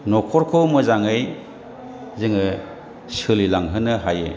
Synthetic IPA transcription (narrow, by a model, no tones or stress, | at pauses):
nɔkʰɔɾkʰomɯzaŋɯj | zɯŋɯ | sɯlilaŋɦɯnɯɦajḛ